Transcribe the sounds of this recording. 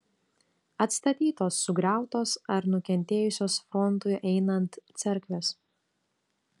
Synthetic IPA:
ɐt̪st̪ɐt̪ʲiːt̪oːsːʊɡɾʲæˑʊt̪oːsɐɾnʊkʲɛnʲt̪ʲeːjʊsʲoːsfɾɔnt̪ʊɪʔɛɪnɐnt̪sʲɛɾʲkʋʲɛs

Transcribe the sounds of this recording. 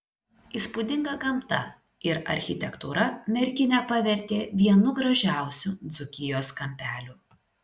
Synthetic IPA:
ispʊd̪ʲɪŋɡɐɡɐmt̪ɐ̰ | ɪɾɐ̰ɾʲxʲɪt̪ʲɛkt̪uɾɐmʲɛɾʲkʲɪnʲɛpɐʋʲɛɾʲˑt̪ʲeːʋʲiɛnʊɡɾɐʒʲæˑʊsʲud̪zʊkʲɪjoːskɐmʲpʲæːlʲuː

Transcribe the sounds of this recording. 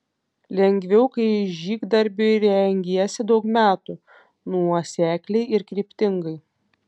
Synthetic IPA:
lʲɛŋʲɡʲʋʲɛʊkɐɪʒʲiːɡd̪ɐɾʲbʲʊɾʲɛŋʲɡʲiɛsʲɪd̪ɒʊkmʲæːt̪u | nuɔsʲæːkʲlʲɛɪɪɾkɾʲiːpʲt̪ʲɪŋɡɐɪ

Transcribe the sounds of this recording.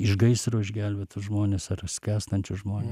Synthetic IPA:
ɪʒɡɐɪsɾoːɪʒʲɡʲæːlʲbʲeːt̪ʊʒmoːnʲesɐrsʲkʲæːst̪ɐnʲt͡ʃʲʊʒmoːnʲe

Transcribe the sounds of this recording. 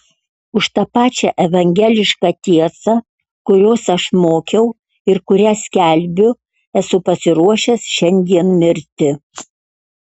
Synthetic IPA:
ʊʃt̪ɑpɑːt͡ʃʲɛʔɛʋɐŋʲɡʲɛlʲɪʃkɑt̪ʲiɛsɐ | kʊɾʲoːsɐʃmoːkʲɛʊ | ɪɾkʊɾʲæːsʲkʲæˑlʲbʲʊ | ɛsʊpɐsʲɪɾuɔʃʲɛsʃʲɛnʲd̪ʲiɛnmʲɪɾʲt̪ʲɪ

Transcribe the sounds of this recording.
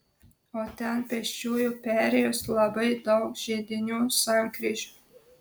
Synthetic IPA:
oːt̪ʲɛnpʲɛʃʲt͡ʃʲuːjuːpʲæːɾʲɛjoːslˠɐbɐɪd̪ɐʊkʒʲed̪ʲɪnʲuːsɑŋkɾʲiːʒʲuː

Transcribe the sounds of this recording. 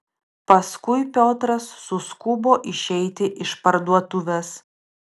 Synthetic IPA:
pɐskʊɪpʲoːt̪ɾɐsːʊskʊboːʔɪʃʲɛɪt̪ʲɪʔɪʃpɐɾd̪uɔt̪ʊʋʲɛs

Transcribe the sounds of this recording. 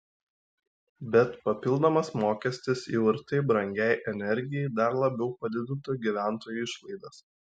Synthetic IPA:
bʲɛt̪pɐpʲɪlˠd̪omɐsmoːkʲɛsʲt̪ʲɪsiʋɐɾt̪ɐɪbɾɐŋʲɡʲæɪʔɛnʲɛɾʲɡʲɪjɛɪd̪ɐɾlˠɐbʲɛʊpɐd̪ʲɪd̪ʲɪnt̪ɐɡʲiʋʲæˑnˑt̪oːjuɪʃlˠɐɪd̪ɐs

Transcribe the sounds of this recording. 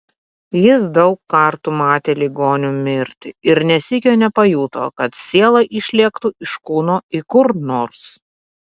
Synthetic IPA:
jɪsd̪ɐʊkːɐɾt̪uːmɑːt̪ʲeːlʲiɡoːnʲumʲɪɾʲt̪ʲɪɪɾnʲɛsʲɪkʲoːnʲɛpɐjuːt̪o̰ːkɐt̪sʲiɛlˠɐʔiʃʲlʲiɛkt̪uːʔɪʃkuːnoːɪkʊɾnoːɾs

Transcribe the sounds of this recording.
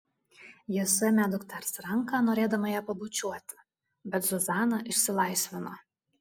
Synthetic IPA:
jɪsɛmʲæd̪ʊkt̪ʲɐɾsɾɐŋkɑːnoːɾʲeːd̪ɐmɐjæːpɐbʊt͡ʃʲuɔt̪ʲɪ̥ | bʲɛt̪zɔzɑːnɐʔɪʃʲsʲɪlˠɐˑɪsʲʋʲɪno

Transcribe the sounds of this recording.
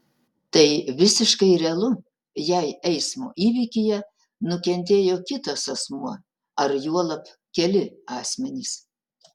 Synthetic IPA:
t̪ɐɪʋʲɪsʲɪʃkɐɪɾʲɛɐlˠʊ | jɛɪɛɪsmo̰ːʔiːʋʲiːkʲɪjɛ | nʊkʲɛnʲt̪ʲeːjoːkʲɪt̪ɐsɐsmuɔ | ɐɾjuɔlˠɐp | kʲɛlʲɪɑːsʲmʲɛnʲɪs

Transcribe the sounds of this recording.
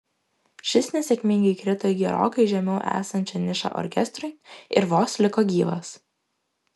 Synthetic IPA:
ʃʲɪsnʲɛsʲɛkʲmʲɪŋʲɡʲɐɪkɾʲɪt̪oːjɡʲɛɾo̰ːkɐɪʒʲɛmʲɛʊʔæ̰ːsɐnʲt͡ʃʲɛnʲɪʃɐ̰ʔɔ̰ɾʲkʲɛst̪ɾʊɪɪɾʋoːslʲɪkoːɡʲiːʋɐs

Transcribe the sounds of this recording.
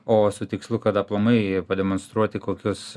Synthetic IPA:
oːsʊt̪ʲɪkslˠʊkɐt̪ɐplˠoːmɐɪpɐd̪ʲɛmonst̪ɾuɔt̪ʲɪkoːkʲʊs

